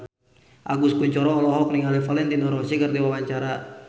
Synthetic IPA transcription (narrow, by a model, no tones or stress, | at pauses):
ʔa̰ɡuskuɲt͡ʃɔɾɔːlɔɦɔk̚niŋalɛfalɛnt̪inɔɾɔsikərd̪iwawaɲt͡ʃaɾa